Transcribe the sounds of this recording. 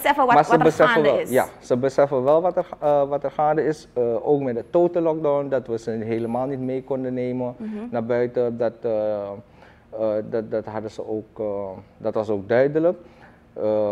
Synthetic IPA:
əsɛfəmaːsəbəsɛfəɛlɪja̰səbəsɛfənʋɛlˠʋɑtəʋɑtərxaːndəɪsoːkmɛtdətoːtəlɔk̚dawndɑtʋəzəɦeləmaːlˠnitmejkɔndəneːmənnaːɹbœɥtədɑt | ddtɦɑdəzəoːkdɑtʋɑsoːɡ̚dœɥdələk

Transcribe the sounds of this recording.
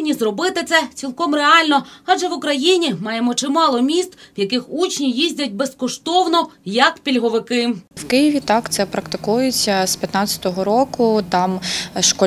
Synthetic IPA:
nʲizrɔbɪt̪ɪt̪sɛtt͡sʲilˠkɔmreɑlʲnɔɑd͡ʒɛʋʊkɾɐjinʲimɑjemɔt͡ʃɪmɑlˠɔmʲist̪wjɐkɪxut͡ʃnʲijizʲdʲɐtʲbeskɔʃt̪ɔwnɔjɐkpʲilʲɦɔʋɪkɪwkɪjiʋʲit̪ɑkt̪sɛpɾɐkt̪ɪkujʊt͡sʲɐspʲjɐt̪nɑt͡sʲɐ̥t̪ɔɦɔɾɔkʊt̪ɑmʃkɔ

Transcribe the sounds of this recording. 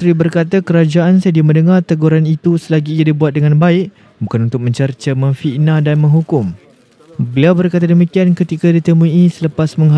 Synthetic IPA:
ɾibərkat̪akəɾad͡ʒaʔansədiamə̃ndəŋart̪əɡuɾanit̪usəlaɡiːjadibuat̪̚dəŋãnbaɪʔ | bukanunt̪ʊk̚mə̃ɲt͡ʃərt͡ʃəmə̃ŋfiʔnãdanmə̃ŋɦukʊm | bəliawbərkat̪̬adəmikiankət̪ikadit̪əmũisələpasməŋɦa

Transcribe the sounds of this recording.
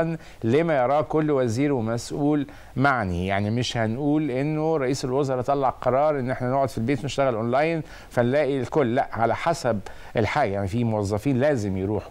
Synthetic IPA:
n | leːmæjɑɾˤɑːkolːwæziːɾwemæsʔuːl | maʕnijaʕnimɪʃhænʔuːlʔenːoɾˤːɑʔiːselwozɑɾˤɑt̪ˤɑlːɑʕqɑɾˤɑːɾˤʔenːʔeħnænoʕod̪filbeːt̪neʃt̪æɣælʔonlæjn | fænlæːʔilkolːæʔʕalæħasæb̚ | ʔelħaːɡæjaʕnifiːmowɑzˤːɑfiːnlæːzɪmjeɾuːħ

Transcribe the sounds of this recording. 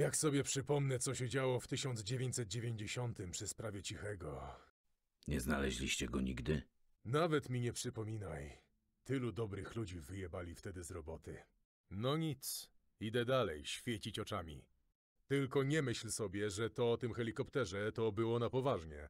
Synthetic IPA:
jaksɔbʲjɛpʂɘpɔmnɛt̪sɔɕɛd͡ʑawɔft̪ɘɕɔnd̪zd͡ʑevʲjeɲt͡ɕ̪ʲsɛt̪̚d͡ʑevʲjeɲd͡ʑeɕɔnt̪ɘmpʂɘspɾavʲjɛt͡ɕixɛɡɔ | ɲɛzna̰lɛʑlʲiɕt͡ɕɛɡɔɲiɡd̪ɘ | navɛt̪mʲiɲɛpʂɘpɔmʲina̰j | t̪ɘlud̪ɔbɾɘxlud͡ʑivɘjɛbalʲift̪ɛd̪ɘzɾɔbɔt̪ɘ̰ | nɔɲit̪s | id̪ɛd̪alɛ̰jɕfʲjɛt͡ɕit͡ɕɔt͡ʂamʲḭ | t̪ɘlkɔɲɛmɘɕlsɔbʲjɛʐɛt̪ɔɔt̪ɘmxɛlʲikɔpt̪ɛʐɛt̪ɔbɘwɔnapɔvaʐɲɛ̰

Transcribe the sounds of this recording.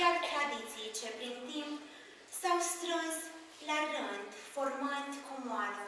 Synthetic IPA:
at̪ɾad̪it̪sit͡ʃepɾint̪imp | sawst̪ɾəs | larɨnd̪format̪kumwanə

